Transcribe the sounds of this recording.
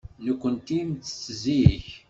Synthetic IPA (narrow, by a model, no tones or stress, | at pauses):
nəkʷːənt̪imt͡sːə̥t͡sːəziç